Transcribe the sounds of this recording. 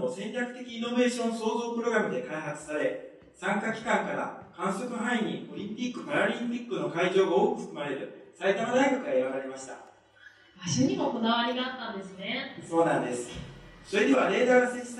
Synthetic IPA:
osẽ̞ɲɾʲakɯ̟̥t̪e̞kʲiːno̞be̞ːɕõ̞ñso̞ːzo̞ːpɯ̟ɾo̞ɡɾamɯ̟d̪e̞kaiɦat͡sɨ̥saɾe̞ | sãŋkakʲi̥kãŋkaɾa̰kãɰ̃so̞kɯ̟ɦãiɲ̟io̞ɾʲĩmpʲikːɯ̟paɾaɾʲĩmpʲikːɯno̞kaiʑo̞ːɡao̞ːkɯ̟ɸɯ̥kɯ̟maɾe̞ɾɯ̟sait̪amanaikot̪oɡaiɾaɾaɾe̞maɕi̥t̪a̰ | maɕoɲ̟iɡaoko̞naβaɾʲiɡaat̪ːãnd̪e̞sɨne̞so̞ːnãnd̪e̞sɨ̥so̞ɾe̞d̪eβaɾe̞ːd̪aːɾɯseɕi̥t̪

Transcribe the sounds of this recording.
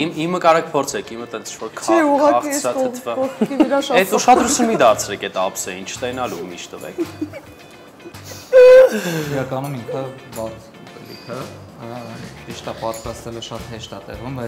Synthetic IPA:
imimːəkɑɾɛkʰpʰɔɾt͡sʰɛkʰimət̪ɛnt͡sʰi̥t͡ʃʰvɔɾkʰɛuʁɑkɑχiɑvəɔɾɛt̪uʃɑd̪ɾusʰunmid̪ɑɾt͡sʰɾɛkɛt̪ɑpsɛjint͡ʃʰə̥t̪ɛnɑlumḭʃt̪əvɛ̰kʰ | iɾɑkɑnumiŋkʰə | bɑɾt͡s | upɛ̰lḭkʰə | iʃt̪ɑpɑt̪ɾɑst̪ɛləʃɑt̪ɦɛʃt̪ɑt̪ɛ̰ʁumbɑj

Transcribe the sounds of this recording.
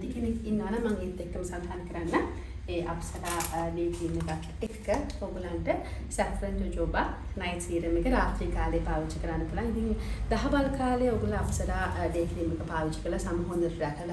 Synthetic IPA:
t̪ikenekinːəʋanamaŋet̪ːek̚ːəməsad̪ʱaːnːkəɾanːa | eʔapsɐd̪aːdeːkʰinːəɡak̪ː | ekkəoɡulanʈəsæfɾənːud͡ʒoːbak | najt̪siːɾəmekəɾaːt̪ɾikaːleːpaːʋit͡ʃːəkəɾanːɐp̪ulaŋid̪iŋd̪aɦɐbalkaːleoɡulaːpsɐd̪aːdeːkʰliːməkəpaːʋit͡ʃə̥kəlasaməɦond̪əɾɾɛkəla

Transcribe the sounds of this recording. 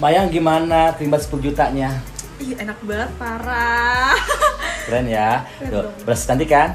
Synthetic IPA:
majaŋɡimanat̪limbat̪sə̥pulud͡ʒut̪aɲa | ienak̚bat̪̚paɾa | ɾɛnja | dobəɾasi̥t̪ant̪ikan

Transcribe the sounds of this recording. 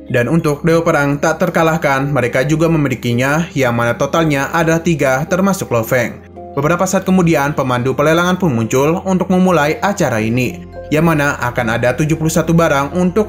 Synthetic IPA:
danunt̪ʊk̚dewapəɾaŋt̪aʔt̪ərkalahkanməɾekad͡ʒuɡaməmilikiɲajaŋmanat̪ot̪alɲaʔadalaht̪iɡat̪ərmasʊklofɛŋ | bəbəɾapasaat̪̚kəmudianpəmandupərlelaŋanpʊnmuɲt͡ʃʊlunt̪ʊk̚məmulajʔat͡ʃaɾaini | jaŋmanaʔakanadat̪ud͡ʒupuluhsat̪ubaɾaŋunt̪ʊk̚

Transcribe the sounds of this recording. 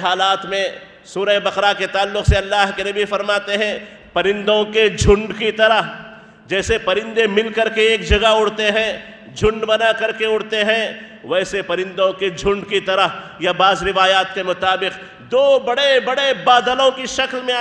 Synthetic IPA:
ɦaːlaːt̪mẽ | suːɾəebɐqɾaket̪aːlːʊqseɐlːaːɦkenɐbifɐɾmaːt̪eɦɛ̃ | pɐɾɪ̃nd̪õked͡ʒʱʊ̃ɳɖkit̪ɐɾəɦ | d͡ʒɛːsepɐɾɪ̃nd̪emɪlkɐɾkeeːkd͡ʒɐɡaʊɽt̪eɦɛ̃ | d͡ʒʱʊ̃ɳɖbɐnakɐɾkeʊɽt̪eɦɛ̃ | ʋɛːsepɐɾɪ̃nd̪õked͡ʒʱʊ̃ɳɖkit̪ɐɾəɦjabaːzɾɪʋaːjaːt̪kemʊt̪aːbɪq | d̪oːbɐɽebɐɽebaːd̪əlõkiʃɐklmẽa

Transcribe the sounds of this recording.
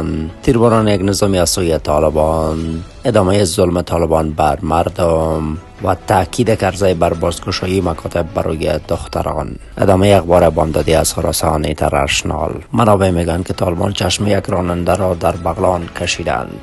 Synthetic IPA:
nt̪iɾbɔnɔnjaɡnɪzɔmiazsojet̪ʰɔlɪbɔn | ɪd̪ɒmajezʊlmɪt̪ʰɔlɪbɔnbaɾmaɾd̪ʊm | wa̰t̪akʰid̪ekaɾzajbaɾbɔzkʊʃɔjimakʰɒt̪ʰɪbːa̰ɾo̰jed̪ʊxt̪a̰ɾɔ̰n | ɪ̰d̪ɒmajeaxbɔɾebɔmd̪ɔd̪iaz̥χʊɾɔ̰sɑnit̪ʰa̰ɾa̰ʃnɑ̰lmanɒbemeɡankɪt̪ʰɒlɪbɔ̰nt͡ʃʰaʃmejaɡɾɔnand̪aɾɔd̪aɾbaɣlɔnkʰaʃid̪a̰nd̪

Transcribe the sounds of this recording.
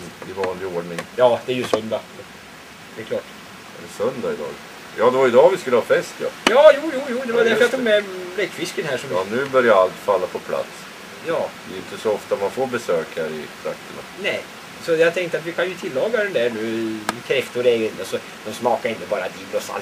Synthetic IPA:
d̪ɪvɑːnlɪoːɖɳɪŋjɑːd̪ɛæɾjɵsœnd̪a | d̪ɛɛklɑːʈː | ɛɛsœnd̪aɪd̪ɑ̰ːɡ | jɑːd̪ɛvaɾjəɪd̪ɑːvɪskɵləhɑːfɛst̪jɑ̰jɑːjuːjuːjuːd̪ɛvad̪ɛjat̪uɡmɛlɛkːfɪskənɦæːʂɔmnʉ̟ːbœɾjaalt̪falːapʰɔpʰla̰t̪s | jɑːd̪ɛɛjʏnt̪əsɔɔft̪amanfoːɾbɛsøːkhæɾɪ̰t̪ʰɾa̰kt̪ʰəɳa̰nɛɪ | sɔjɑɡt̪ʰɛŋkt̪əat̪ʋɪkʰanjɵt̪ʰɪlːɑːɡad̪ɛnd̪æɳʉ̟ːkʰɾɛft̪ʊɾɛɡɪnasɔ | d̪̥ɔmsmɑːkaɾɛnːʊbɑːɾad̪iːbɾɔsa̰lt̪

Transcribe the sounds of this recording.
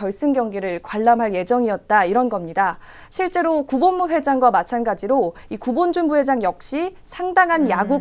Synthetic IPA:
ʌɭs͈ɯnɡjʌŋɡiɾɯɭkwaɭːamɦaɭje̞d͡ʑʌŋiʌt̚t͈aiɾʌnɡʌmɲida | ɕʰiɭt͡ɕ͈e̞ɾokubonmuɸwe̞d͡ʑaŋɡwamat͡ɕʰanɡad͡ʑiɾo | ikubond͡ʑunbuwe̞d͡ʑaŋjʌk̚ɕ͈isʰaŋdaŋɦanjaɡu

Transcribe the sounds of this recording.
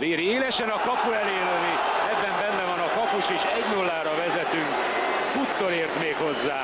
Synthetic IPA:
veːɾieːlɛʃɛnɒkɒpuɛleːløːni | ɛbːɛmbɛnːɛvɒnɒkɒpuʃeːʃɛɟnulːaːɾɒvɛzɛt̪yŋk | fut̪ːoleːrt̪meːkho̞zːaː

